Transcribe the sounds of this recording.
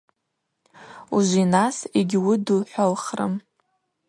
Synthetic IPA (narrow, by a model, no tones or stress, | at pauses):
uʒʷinasiɡʲwʊdɨlħʷalχrɨ̰m